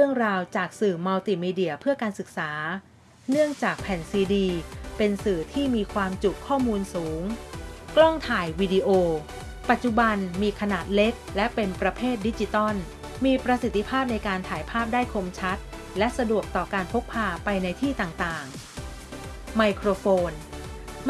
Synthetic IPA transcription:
ɾɯ˥˩əŋɾaː˧wt͡ɕaː˨˩k̚sɯː˨˩ma˧wt̪i˨˩miː˧di˨˩əpʰɯ˥˩əkaː˧nsɯ˨˩k̚saː˩˦ | nɯ˥˩əŋt͡ɕaː˨˩k̚pʰɛ˨˩nsiː˧diː˧pe˧nsɯː˨˩t̪ʰiː˥˩miː˧kʰwaː˧mt͡ɕu˨˩kʰːɔː˥˩muː˧nsuː˩˦ŋklɔ˥˩ŋt̪ʰaː˨˩jwiː˧di˧ʔoː˧ | pa˨˩t̪̚t͡ɕu˨˩ba˧nmiː˧kʰa˧naː˨˩t̪̚le˦˥k̚lɛ˦˥ʔpe˧npɾa˧pʰeː˥˩t̪̚di˦˥t͡ɕi˧t̪ɔ˥˩n | miː˧pɾa˧si˨˩t̪ːi˧pʰaː˥˩p̚na˧jkaː˧nt̪ʰaː˩˦jpʰaː˥˩p̚daː˥˩jkʰo˧mt͡ɕʰa˦˥t̪̚ | lɛ˦˥ʔsa˧du˨˩ək̚t̪ɔː˨˩kaː˧npʰo˦˥k̚pʰːaː˧pa˧jna˧jt̪ʰiː˥˩t̪aː˨˩ŋt̪aː˨˩ŋ | ma˧jkʰɾoː˧foː˧n

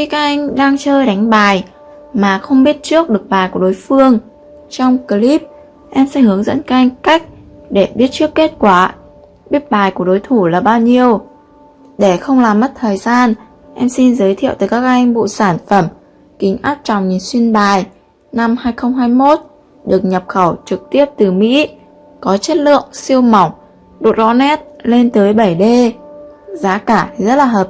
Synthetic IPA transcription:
xi˧kaː˦˥k̚ʔa˧jŋ̟ɗaː˧ŋt͡ɕəː˧jɗa˨˦jŋ̟ɓaː˨˩j | maː˨˩xə˧wŋ͡mɓi˦˥ət̚t͡ɕɨ˦˥ək̚ɗɨ˨˩ək̚ɓaː˨˩jku˧˩ɗo˨˦jfɨ˧əŋ | t͡ɕɔ˧wŋ͡mkə˧li˦˥p̚ | ʔɛ˧msɛ̰˧˥hɨ˨˦əŋzə̰˧˥nkaː˦˥k̚ʔa˧ŋ̟ka˦˥k̟̚ɗe˧˩ɓi˦˥ət̚t͡ɕɨ˦˥əkːe˦˥t̚kwaː˧˩ | ɓi˦˥ət̚ɓaː˨˩jku˧˩əɗo˨˦jt̪ʰu˧˩laː˨˩ɓaː˧wɲi˧əw | ɗe˧˩xə˧wŋ͡mlaː˨˩mːə˦˥t̚t̪ʰəː˨˩jzaː˧n | ʔɛ˧msi˧nzəː˨˦jt̪ʰḭ˧˨əwt̪aː˨˩kaː˦˥k̚ʔa˧jŋ̟ɓṵ˧˨saː˧˩nfə˧˩m | kï˨˦ŋ̟ʔaː˦˥t̚t͡ɕɔ̰˨˧˨ŋ͡mɲi˨˩˦nswi˧ənɓaː˨˩j | na˧mhaː˧jxə˧wŋ͡mɦaː˧jmo˦˥t̚ | ɗɨ˨˩ək̚ɲə˨˩p̚xə˧˩wt͡ɕɨ˨˩k̚t̪i˦˥əp̚t̪ɨ˨˩mḭ˧˥ | kɔ˨˦t͡ɕe˦˥t̚lɨ̰˧˨əŋsi˧əwma˨˧˩wŋ͡m | ɗo̰˨˩t̚ɗɔ̰˧˦nɛ˦˥t̚le˧nt̪əː˨˦jɓə˧˩jɗe˧ | zaː˨˦kaː˧˩˨zə˦˥t̚laː˨˩ɦəː˨˩p̚

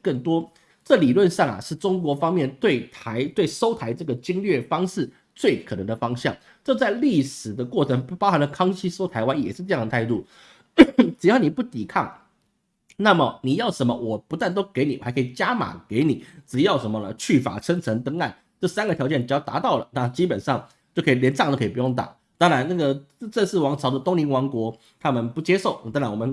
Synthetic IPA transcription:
kə˥˩ŋt̪wɔ˥ | ʈ͡ʂɤ˥˩li˨˩lwə˥˧nʂɑ˥˩ŋɐ̰˩ʂɻ̩˥˩ʈ͡ʂʊ˥ŋkwɔ˧˥fɑ˥ŋmjɛ˥˧nt̪we˥˩ɪt̪ʰa˧˥ɪt̪we˥˩ɪʂo˥ʊt̪ʰa˧˥ɪʈ͡ʂɤ˥˩ɡə˩t͡ɕi˥ŋlɥɛ˥˩fɑ˥ŋʂɻ̩˥˧ | t͡swe˥˩ɪkʰɤ˨˩nɤ˧˦ŋd̪ə˧fɑ˥ŋɕjɑ̰˥˩ŋ | t͡ɕo˥˧ʊt͡sa˥˧ɪli˥˩ʂɻ̩˨˩d̪ə˦kwɔ˥˩ʈ͡ʂʰɤ˧˥ŋpɑ˥xa˧˥nd̪ə˧kʰɑ˥ŋt͡ɕʰi˥so˥ʊt̪ʰa˧˥ɪwa˥njɛ̰˨˩ʂɻ̩˥˩ʈ͡ʂɤ˥˧jɑ˥˩ŋə˩a˥˧ɪt̪u˥˩ | ʈ͡ʂɻ̩˨˩jɑ˥˩ʊni˨˩pu˥˩t̪i˨˩kʰɑ˥˩ŋ | na˥˩mə˩ni˨˩jɑ˥˩ʊʂə˧˥nmə˧wʔɔ˨˩pu˧˥t̪wa˥˩nt̪o˥ʊke˧˥ɪni˨˩˨ɪkʰi˨˩t͡ɕja˥ma̰˨˩ke˧˥ɪni˨˩˦ʈ͡ʂɻ̩˨˩jɑ˥˩ʊʂə˧˥nmə˧nə̰˨˩t͡ɕʰy˥˩fa̰˨˩ʂʰə˥ŋt͡sʰə˧˥ŋt̪ɤ˥ŋa˥˩n | ʈ͡ʂɤ˥˩sa˥nɡə˨˩jɑ˧˥ʊt͡ɕjɛ˥˩nʈ͡ʂɻ̩˨˩jɑ˥˩ʊt̪a̰˧˥t̪ɑ˥˩ʊlə̰˨˩na˥˩˧t͡ɕi˥pə˨˩nʂɑ˥˧ŋ | t͡ɕjo˥˩ʊkʰɤ˧˥i˨˩ljɛ˧˥nʈ͡ʂt̪ə˩kʰpu˧jʊ˥˩ŋt̪a̰˨˩˦ | t̪ɑ˥ŋɻa˧˥nna˥˩ɡə˩˧ | ʈ͡ʂə˥˧nʂ̩˥˩wɑ˧˥ŋt͡sʰɑ˧˥ʊd̪ə˧t̪ʊ˥ŋli˧˥ŋwɑ˧˥ŋkwɔ˧˥ | t̪ʰa˥mə˨npu˧˥t͡ɕjɛ˥ʂo˥˩ʊt̪ɑ˥ŋɻa˧˥nwɔ˨˩mə˦n

